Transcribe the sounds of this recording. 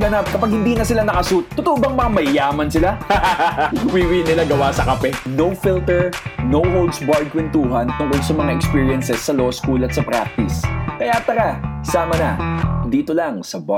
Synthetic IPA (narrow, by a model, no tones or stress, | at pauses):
ɡɐnap̚kɐpaɡ̚hɪnd̪iːnɐsɪlanɐkɐsut̪̚ːʊt̪oʔobɐŋmɐŋamɐjaːmɐnsɪla | ʊwiwɪnɪlaɡɐwasɐkɐpɛnowfilt̪ɛɹnowhowld̪sbaɹd̪̚kwɛnt̪uːɦɐnt̪ʊŋkolsɐmɐŋaʔɛkspiːɹɪɐnsɛsːɐloskulɐt̪̚sɐpɾa̰k̚t̪ɪskɐjat̪ɐɾasaːmɐnɐd̪iːt̪olɐŋsɐba